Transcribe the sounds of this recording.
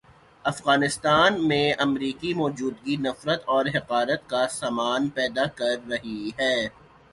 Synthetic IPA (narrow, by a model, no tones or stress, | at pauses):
ɐfɣaːnɪst̪aːnmẽɐmɾiːkimɔːd͡ʒuːd̪ɡinɐfɾət̪ɔːɾɦɪqaːɾət̪kasaːmaːnpɛːd̪akɐɾːɐɦiɦɛː